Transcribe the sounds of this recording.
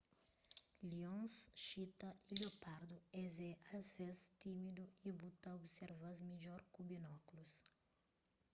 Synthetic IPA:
liõŋsʃit̪ɐʔiljopaɾd̪uɛzɛʔazvest̪imid̪uibut̪ɐobseɾvazmid͡ʒɔɾkubinɔklus

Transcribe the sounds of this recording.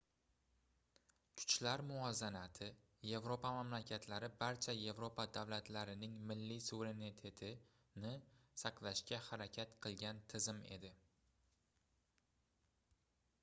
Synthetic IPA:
kʲʰʊ̥t͡ʃlaɾmʊɒzanat̪ʰɪ | je̞vɾopamamlakʲʰat̪ʰlaɾɪbaɾt͡ʃʰaje̞vɾopad̪avlat̪ʰlaɾɪnɪŋmɪlːisuveɾe̞nit̪ʰe̞t̪ʰɪ | nɪsɑqlˠaʃkʲahaɾakʲʰat̪qʰɨlˠɡʲant̪ʰɪzɪme̞̰d̪ɪ

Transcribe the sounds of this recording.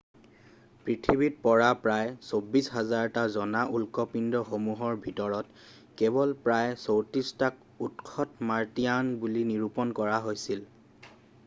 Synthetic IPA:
pɹitʰibit̚pɔɹapɹajsobisɦazaɹtazɔnaʔulkɔpindɔxomuɦɔɹbʱitɔɹɔt | kɛbɔlpɹajsowtɹistak̚ | utkʰɔtmaɹtijanbuliniɹupɔnkɔɹaɦojsil

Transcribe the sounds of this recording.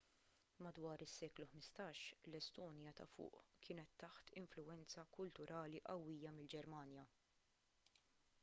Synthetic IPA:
mɐd̪wɐːɾɪsːɛːkluħmɪst̪ɐːʃlɛst̪ɔːnjɐt̪ɐ̰fʊ̰ːʔkʰɪːnɛt̪ːɐħt̪ɪɱflʊɛnt͡sɐkʊlt̪ʊɾʔɐːliʔɐwːiːjɐmɪld͡ʒɛɾmɐːnjɐ

